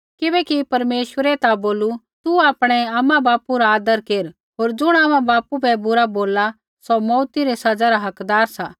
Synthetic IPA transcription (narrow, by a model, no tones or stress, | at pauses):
kɪbɛkipɐɾmeːʃʋəɾɛt̪aboːlu | t̪uaːpɽ̃ɛaːmãbaːpuɾaːd̪əɾkeːɾ | ɦoːɾd͡ʒʊɽ̃aːmãbaːpubɛbʊɾaboːla | somɔːt̪iɾɛsɐd͡zaɾaɦɐkd̪aːɾsa